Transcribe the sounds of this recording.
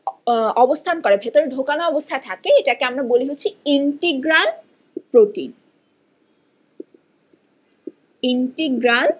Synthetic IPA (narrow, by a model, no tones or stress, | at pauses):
ɔbost̪ʰankoɾebʱet̪oɾedʱokanoɔbost̪ʰaet̪ʰakeeʈakeamɾaboleɦotːt͡ɕʰiiɳʈiɡɾan | pɾoʈḭn | iɳʈiɡɾan